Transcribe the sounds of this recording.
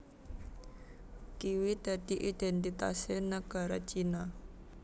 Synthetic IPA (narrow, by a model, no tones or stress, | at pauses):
kiwid̪̥ä̤d̪̥i̤ʔid̪̥ɛnt̪it̪a̰senəɡ̥a̤ɾat͡ʃina